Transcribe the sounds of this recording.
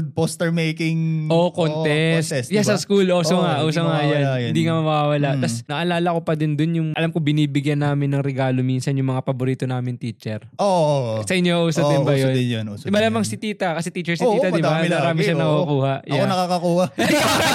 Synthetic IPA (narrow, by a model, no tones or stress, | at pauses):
ɡ̚post̪ɛɹmejkɪŋʔokont̪ɛstsjassɐskulʔooŋaʔoːsoŋajanɪjnd̪iːŋamɐwawɐlaʔt̪ɐsnɐʔɐlaːlɐkopɐd̪ɪnd̪onjʊŋʔɐlamkobɪniːbɪɡjanːaːmɪnːɐŋɾɛɡaːlominsɐnjʊŋmɐŋapɐboɾiːt̪o̞naːmɪnt̪iːt͡ʃɛɾoosɐʔɪɲjoɐʔuːsɐp̚d̪ɪbɐjonɪjonsmɐlaːmɐŋsɪt̪iːt̪ɐkɐsɛt̪iːt͡ʃɛɹsɪiːt̪ɐd̪ɪbanɐɾaːmɪʃanɐkkːkuːhaʔjɐakonɐkakɐkuːha